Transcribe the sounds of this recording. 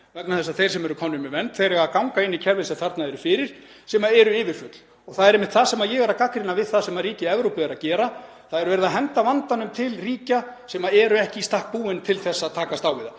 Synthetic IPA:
vɛknaθɛsaθejɾ̥sɛmɛɾʏkʰɔnːʏmɪvɛnt̪θejɾɛɣakawŋkaɪnːɪcʰɛɾvɪnsɛmθaɾt̪naɛɾʏfɪːɾɪɾ̥sɛmaɛɾʏɪːvɪɾ̥fʏt̪l̥ | ɔɣθaðɛɾejmːɪht̪θaðsɛmaðjɛɣɛɾakakɾɪnavɪðθaðsɛmaðriːcɪɛvɾowpɪaɾacɛːɾa | θaðɛɾʏvɛɾɪðaɦɛnt̪avant̪anʏmt̪ʰɪlriːcasɛmaɛɾʏɛhcɪst̪ahk̚puːɪnt̪ʰɪlθɛsːaːt̪ʰaːkast̪awɪða

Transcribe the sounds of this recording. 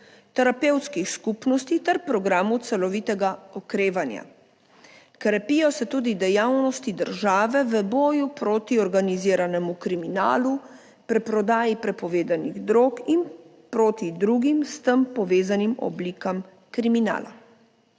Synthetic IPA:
t̪ɛɾapɛwt̪skixskupnɔst̪it̪ɛɾpɾɔɡɾaːmut̪sɛlɔʋiːt̪ɛɡaɔkɾeːʋanja̰ | kɾɛpijɔsɛt̪uːd̪id̪ɛjawnɔst̪id̪əɾʒaːʋɛʋəbɔːjupɾoːt̪iɔɾɡaniziːɾanɛmukɾimina̰ːlu | pɾɛpɾɔd̪aːjipɾɛpɔʋeːd̪aniɣd̪ɾoːkin | pɾoːt̪id̪ɾuɡimst̪əmpɔʋeːzanimɔ̰bliːkam | kɾimina̰ːla̰

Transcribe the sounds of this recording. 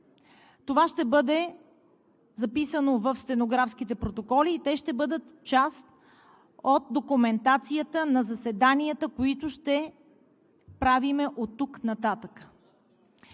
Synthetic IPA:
t̪ovaʃt̪ɛbɤd̪ɛ | zɐpisənovəfst̪ɛnoɡɾafsk̟it̪ɛpɾot̪okɔliːt̪ɛʃt̪ɛbɤd̪ət̪t͡ʃast̪ | ot̪̚d̪okumɛnt̪at̪sijət̪ənɐzɐsɛd̪aniət̪əkoit̪ʊʃt̪ɛ | pɾavimɛʔot̪ːuknɐt̪at̪əkə̥

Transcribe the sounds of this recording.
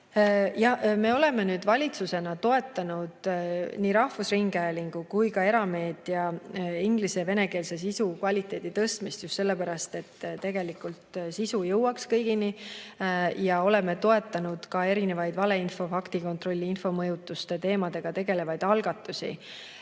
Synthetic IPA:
jɑhme̞ːo̞le̞me̞nyːd̪̥vɑlʲit̪suse̞nɑt̪o̞e̞t̪ːˑɑnud̪̥niːɾɑhvusriŋɡ̥æeliŋɡ̥ukujkɑe̞ɾɑme̞ːd̪̥jɑiŋɡ̥liseve̞neke̞ːlse̞s̬isukvɑlʲit̪ːˑe̞ːd̪̥it̪ɤst̪mist̪just̪se̞lːe̞pæɾɑst̪e̞t̪ːt̪e̞ɡ̥e̞likˑult̪sisujɤwɑkskɤjɡ̥ini | jɑo̞le̞me̞t̪o̞e̞t̪ːˑɑnud̪̥kɑe̞ɾine̞vɑjd̪vɑle̞info̞fɑkt̪iko̞nt̪ro̞lʲːiinfo̞mɤjut̪ˑːust̪e̞t̪e̞ːmɑd̪e̞ɡ̥ɑt̪e̞ɡe̞le̞vɑjd̪̥ɑlɡ̥ɑt̪ːˑusḭ

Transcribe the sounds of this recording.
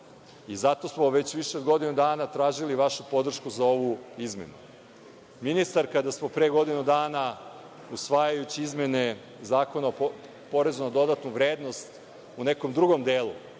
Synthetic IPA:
izat̪o̞smo̞ʋe̞t͡ɕʋiʃeo̞d̪ɡo̞d̪inud̪aːnat̪ɾaːʒiliʋaʃupo̞d̪r̩ʃkuzao̞ʋuizme̞̰nṵ | minist̪aɾkad̪asmo̞pɾeɡo̞d̪inud̪aːna | usʋajajut͡ɕiizme̞ne̞ | zaːko̞nao | po̞ɾezunad̪o̞d̪at̪nuʋɾeːd̪no̞st̪ | une̞ko̞md̪ɾuɡo̞md̪eːlˠu

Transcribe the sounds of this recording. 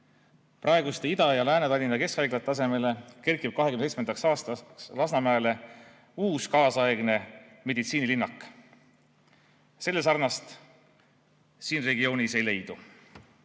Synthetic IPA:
prʔɑe̞ɡust̪eid̪ɑjɑlæːnet̪ɑlʲind̪ɑke̞skɑjɡlɑt̪ːˑɑse̞me̞le̞ke̞rkːˑib̥̚kɑɦekymnsejtsmend̪ɑksɑːst̪ɑslɑsnɑmæele̞ | uːskɑːsɑeɡ̥ne̞me̞d̪it̪siːnilinːɑkːˑ | se̞lːe̞s̬ɑrnɑst̪ | siːnre̞ɡio̞ːnise̞jle̞jd̪u

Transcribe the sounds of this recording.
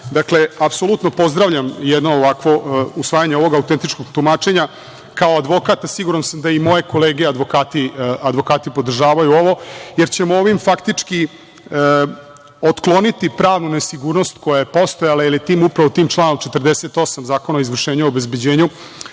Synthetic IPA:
d̪akle̞apso̞lˠut̪no̞po̞zd̪ɾaʋʎamjɛd̪no̞ːʋakʋo̞usʋaːjaɲeo̞ʋo̞ɡaut̪ent̪it͡ʃko̞ɡt̪umat͡ʂe̞ɲa | kaoad̪ʋo̞kat̪asiɡuɾansamd̪aimo̞je̞ko̞leːɡead̪ʋo̞kaːt̪iad̪ʋo̞kaːt̪ipo̞d̪r̩ʒaːʋajuoʋo̞jeɾt͡ɕe̞mooʋimfakt̪it͡ʂki | ə | ot̪klˠo̞nit̪ipɾaːʋnunesiɡuːɾno̞st̪ko̞jajepo̞st̪ojalailiet̪iːmupɾaʋo̞t̪iːmt͡ʃlˠaːnomt͡ʃe̞t̪rd̪eset̪o̞samzaːko̞naoizʋr̩ʃeːɲeobezbe̞d͡ʑeːɲu

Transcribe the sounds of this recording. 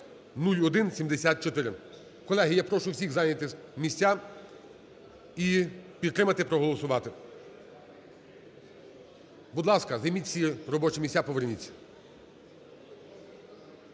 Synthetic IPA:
nulʲɔd̪ɪnsʲimd̪esʲat̪̚t͡ʃɔt̪ɪɾɪ | kɔlˠɛɦijapɾɔʃʊwsʲixzɑjnʲɐt̪ɪmʲisʲtʲːa | ipʲid̪̚t̪ɾɪmɐt̪ɪpɾɔɦɔlˠɔsʊʋɑt̪ɪ | bʊd̪lˠɑskɐzɐjmitʲt͡sʲiɾɔbɔt͡ʃɪmʲisʲtʲapɔʋernʲit͡sʲːɐ̥

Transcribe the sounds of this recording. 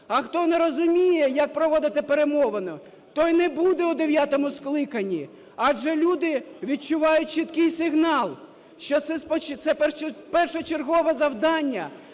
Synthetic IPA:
ɐxt̪ɔneɾɔzʊmʲijɛjɐk̚pɾɔʋɔd̪ɪt̪ɪpeɾemɔʋɐnɔ | t̪ɔjnɛbud̪ɛʊd̪eʋʲjat̪ɔmʊsklˠɪkɐnʲːi | ɑʒɛlʲud̪ɪʋʲid̚t͡ʃʊʋɑjʊt̚ʲt͡ʃit̪kɪjsɪɦnɑlˠ | ʃt͡ʃɔt̪sɛspɔt͡ʃt̪sɛpɛpɛrʃɛt͡ʃerɦɔʋɛzɐwd̪ɑnʲːɐ

